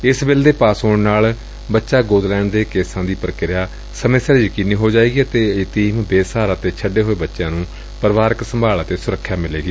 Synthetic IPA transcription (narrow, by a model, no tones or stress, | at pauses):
ɪsbɪld̪eːpaːsoːɳnaːl | bətːʃaːɡoːd̪lɛ̃ːɳɖd̪eːkeːsãːd̪iːpəɾkɪɾɪjaː | səmesəɾd͡ʒiːkɪnːiːɦoːd͡ʒaːiːɡiət̪eːɪt̪iːmbeːsaːɾaːt̪eːt͡ʃʰəɖeːɦoːeːbətːʃjãːnũː | pəɾʋaːɾəksəmbʱaːlt̪eːsʊɾəkʰːjaːmɪleːɡiː